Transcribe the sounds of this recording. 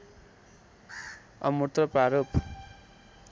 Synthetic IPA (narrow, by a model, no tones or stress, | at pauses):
ʌ̰mut̪rʌpaɾop